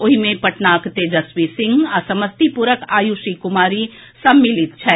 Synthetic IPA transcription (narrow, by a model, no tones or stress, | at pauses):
oɦimẽpɐʈnaːkt̪ed͡ʒəswisɪ̃ŋɡasɐməst̪ipuɾəkaːjusikumaːɾi | sɐmːilit̪̚t͡ʃʰɛ